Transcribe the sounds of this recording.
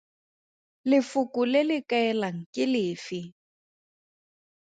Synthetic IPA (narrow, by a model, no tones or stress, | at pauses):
lɪfʊkʊlɪlɪkʼaɛlaŋ̩kʼɪlɪːfɪ